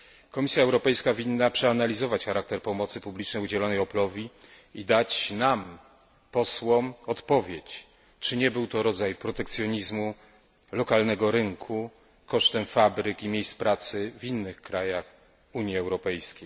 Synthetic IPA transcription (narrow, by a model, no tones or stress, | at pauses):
kɔmʲisʲjaɛwɾɔpɛjskavʲinːapʂɛanalʲizɔvat͡ɕxaɾak̚t̪ɛɾpɔmɔt̪sɘpublʲit͡ʂnɛjud͡ʑɛlɔnɛjɔplɔvʲi | id̪at͡ɕnam | pɔswɔmɔt̪pɔvʲjet͡ɕ | t͡ʂɘɲɛbɘwt̪ɔɾɔd̪zajpɾɔt̪ɛk̚t̪sʲjɔɲizmu | lɔkalnɛɡɔɾɘŋkʰu | kɔʂt̪ɛmfabɾɘkimʲejspɾat̪sɘvʲinːɘxkɾajax | uɲjiɛwɾɔpɛjskʲej